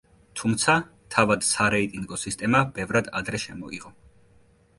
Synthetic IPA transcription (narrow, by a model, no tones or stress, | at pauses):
t̪ʰumt̪sʰa | t̪ʰavad̪̥saɾɛit̪ʼiŋɡɔsist̪ʼɛmabɛvɾad̪a̰d̪ɾɛʃɛmɔ̰ḭʁɔ